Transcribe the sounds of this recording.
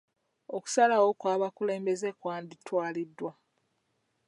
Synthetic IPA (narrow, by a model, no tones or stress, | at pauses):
oku̥salawo̞kwaːβakule̞ːmbe̞ze̞kwaːnditwaːlidːwa